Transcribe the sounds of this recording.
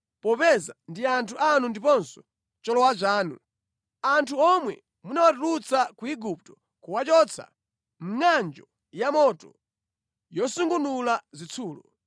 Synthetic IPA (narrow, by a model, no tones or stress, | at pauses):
pɔpɛzandiantʰuʔanundipɔnsɔ̥ | t͡ʃɔlɔwat͡ʃaːnṵ | antʰuɔmwɛ̰ | munawatulut͡sakuiɡup̚tɔ̥ | kuwat͡ʃɔt͡sʰa̰ | m̩ŋand͡ʒɔ | jamɔtɔ | jɔsuŋɡunulazit͡sʰuːlɔ